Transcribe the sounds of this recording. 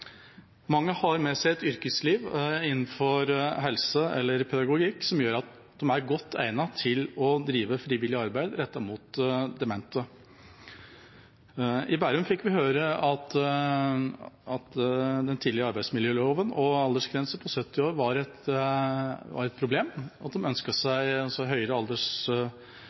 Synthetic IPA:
mɑŋːəhɑɾmɛsæɪɛt̪ʏɾkəsliːʋɪnːn̩fɔɾɦɛlsəɛ̰lːəɾpʰɛd̪ɑɡʊɡiːksɔmjøːɾɑt̪ | d̪ɔmæɾɡɔt̪ːæ̰ɪnɑt̪ʰɪlɔd̪ɾiːʋəfɾiːʋɪlɪəɑɾbæɪd̪ɾɛt̪ːɑmuːt̪d̪ɛmɛnt̪ə | ɪbæɾʉmfɪkːʋɪɦøːɾəɑt̪ | ɑt̪d̪ɛnt̪ʰiːd̪lɪɾəɑɾbæɪsmɪljøːloːʋənɔɑld̪əʂɡɾɛnsəpʰɔsœt̪ːɪoːɾʋɑɾɛt̪ | ʋɑ̰ɾɛt̪̚pʰɾʊbleːmɑt̪̚d̪ɛmœnskəsæɪɑsɔɦœʏɾəɑld̪əʂ

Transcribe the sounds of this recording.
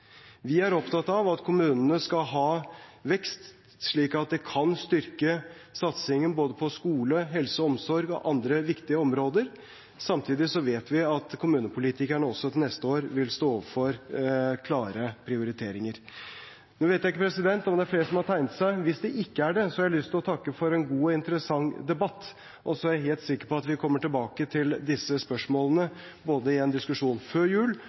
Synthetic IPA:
ʋɪæɾɔpt̪ʰɑt̪ːɑʋɑt̪kʰʊmʉːnənəskɑɦɑːʋɛkst̪ | ʂɭiːkɑt̪̚d̪ɛkʰɑnst̪ʏɾkəsɑt̪sɪŋːənboːd̪əpʰɔskuːləɦɛlsəɔmsɔɾɡɔ̰ʔɑnd̪ɾəʋɪkt̪ɪəɔmɾoːd̪əɾ | sɑmt̪ʰiːd̪ɪsɔʋeːt̪ʋɪɑt̪kʰʊmʉːnəpʰʊlɪt̪ʰɪkæɳəɔsːɔt̪ʰɪnɛst̪əoːɾʋɪlst̪oːɔːʋəɾfɔɾkʰlɑːɾəpʰɾɪʊɾɪt̪ʰeːɾɪŋəɾ | nuːʋeːt̪jæɪkːəpʰɾɛsɪd̪ɛnt̪ɔmd̪ɛæɾfleːɾəsɔmhɑʈʰæɪnət̪sæɪʋɪsd̪ɛʔɪkːəæɖɛsɔhɑɾælʏst̪ɪlɔt̪ʰɑkːəfɔɾɛnɡuːɔɪnt̪əɾəsɑŋːd̪ɛbɑt̪ː | ʔɔsɔæɾæɦeːlt̪sɪkːəɾpɔɑt̪ʋɪkʰɔmːəʈɪlbɑːkət̪ʰɪld̪ɪsːəspœʂmoːlənə | boːd̪əɪɛnd̪ɪskʉʂuːnføːɾjʉːl

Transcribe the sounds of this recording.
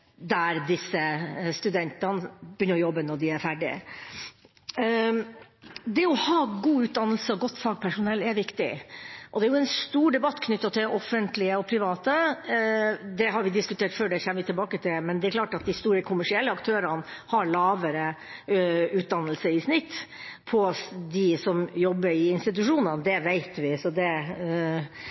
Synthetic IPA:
d̪æɾd̪ɪsːəst̪ʉd̪ɛnt̪ɑnbɪjʏnːəɾɔjɔbːənɔɖ̪ɪæɾfæɖɪə̰ | d̪ɛɔhɑːɡuːʉːt̪̚d̪ɑnːəlsəɔɡɔt̪ːfɑːɡ̚pʰæʂʊnɛlːæʋɪkt̪ɪ̰ʔɔd̪ɛæɾjʊɛnst̪uːɖɛbɑt̪ːkʰnʏt̪ːɑt̪ʰɪlʔɔfːənt̪lɪəɔpʰɾɪʋɑːt̪ə | d̪ɛɦɑɾʋɪd̪ɪskʉt̪ʰeːʈføːɖɛçɛmːəʋɪt̪ʰɪlbɑːkət̪ʰɪlmɛnd̪ɛæɾkʰlɑːʈɑt̪̚d̪ɪst̪uːɾəkʰʊmːæʂɪɛlːəɑkt̪ʰøːɾənhɑɾɭɑːʋəɾə | ʉːt̪̚d̪ɑnːəlsəɪsnɪt̪ː | pʰɔd̪ɪsɔmjɔbːəɾɪɪnst̪ɪt̪̬ʉʂuːnənd̪ɛʋæɪt̪ʋɪsɔd̪ɛ

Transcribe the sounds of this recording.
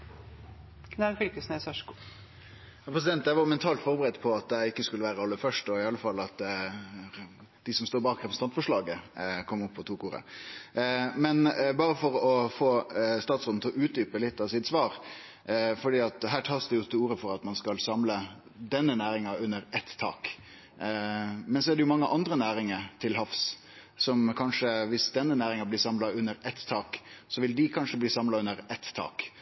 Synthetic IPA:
kʰnɛfʏlkəsnəsœʂku | jɑpʰɾɛs̬ɪd̪ɛnt̪d̪æʋɑjʊmɛnt̪ʰɑːlt̪fɔɾbəɾɛd̪pʰɔɑt̪̚d̪ɛɪkːəskʉləʋæːɾəɑlːəfœʂʈɔɪɑlːəfɑlːɑt̪ | d̪̥ɪsɔmst̪oːɾbɑːkʁɛpʰɛst̪ɑnt̪fɔʂlɑːɡəkʰɔmːɔpːʰɔt̪ʰuːkuːɾə̰ | mɛnbɑːɾəfɔɾɔfoːst̪ɑːt̪sod̪n̩t̪ʰɪlɔʔʉːt̪̚d̪yːpəlɪt̪ːɑʋsɪt̪sʋɑːɾ | fɔɖiːɑt̪ɦæːʈʰɑːsd̪ɛjʊt̪ʰɪuːɾəfɔɾɑt̪mɑnskɑlsɑmlə | d̪ɛnːənæːɾɪŋɑʉnːəɾɛt̪ːʰɑ̰ːk | mɛnsɔɛɖɛjʊmɑŋːəʔɑnd̪ɾənæːɾɪŋəɾt̪ʰɪlɦɑfs | sɔmkʰɑnʂəʋɪsd̪ɛnːənæːɾɪŋɑblɪːsɑmlɑʉnːəɾɛt̪ːʰɑːksɔʋɪld̪ɪkʰɑnʂəbliːsɑmlɑʉnːəɾɛt̪ːʰɑ̰ːk

